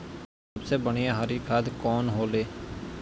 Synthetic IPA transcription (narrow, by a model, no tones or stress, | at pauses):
səbseːbəɽ̃ijãɦaɾiːkʰad̪kɔːnɦoːleː